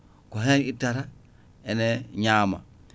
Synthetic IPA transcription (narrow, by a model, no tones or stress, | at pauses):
koɦenitːaɾa | eneɲaːma̰